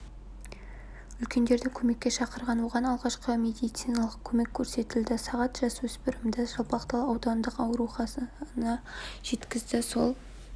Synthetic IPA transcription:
ʏlkʲe̞nd̪e̞ɾd̪ɪkʲʰɵme̞kʲːe̞ʃɑqəɾʁɑnwo̞ʁɑnɑlˠʁɑʃqəme̞d̪ijt̪sijnɑlˠəqkʲʰɵme̞kʲʰːɵɾse̞t̪ɪld̪ɪsɑʁɑt̪ʒ̥ɑswɵspɪɾɪmd̪ɪʒopɑqt̪ɑlˠɑwd̪ɑnd̪əqɑwɾuχɑsənɑʒ̥e̞t̪kʲɪzd̪ɪso̞lˠ

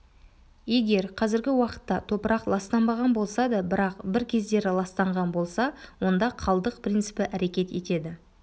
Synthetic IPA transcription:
je̞ɡʲe̞ɾqʰɑzɪɾɡʲɪwɑqə̥t̪ːɑt̪ʰo̞pəɾɑqlˠɑst̪ɑnbɑʁɑnbo̞lˠsɑd̪ɑbɪɾɑqbɪɾkʲʰe̞zd̪e̞ɾɪlˠɑst̪ɑɴʁɑnbo̞lˠsɑwo̞nd̪ɑqʰɑlˠd̪əq̚pʰrʲijnt̪sɨ̥pɪʔæɾe̞kʲe̞t̪e̞̰t̪e̞d̪ɪ

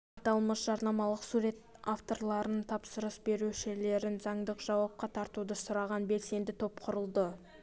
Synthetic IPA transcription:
ɑt̪ɑlˠməsʒɑɾnɑmɑlˠəqsuɾe̞t̪̚ | aft̪o̞rlˠɑɾənt̪ʰɑpsəɾəsbe̞ɾuʃɪle̞ɾɪnzɑɴd̪əqʒ̥ɑwɑp̚qɑt̪ʰɑɾt̪ud̪əsʊɾɑʁɑnbe̞lse̞nd̪ɪt̪ʰo̞pqʰʊɾəlˠd̪ə

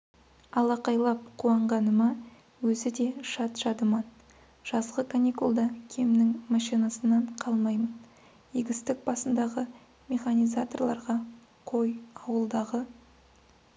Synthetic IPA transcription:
ɑlˠɑqɑjlˠɑp̚qʰuɑɴʁɑnəmɑ | wɵzɪd̪e̞ʃɑt̪ʒ̥ɑd̪əmɑn | ʒ̥ɑzʁəkʰanʲikulˠd̪ɑkʲʰe̞mnɪŋmɑʃijnɑsənːɑɴqʰɑlˠmɑjmən | iɡʲɪst̪ɪk̚bɑsənd̪ɑʁə | mʲe̞χanʲijzat̪o̞rlˠɑɾʁɑ | qʰo̞jɑwəlˠd̪ɑʁə

